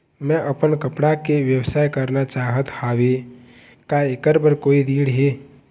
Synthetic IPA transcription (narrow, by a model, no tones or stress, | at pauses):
mɛ̃ʔəpənkəpɽakeʋjəwsaːjkəɾnat͡ʃaːɦət̪haːʋe | kaekəɾbəɾkoːid̪iːɽɦeː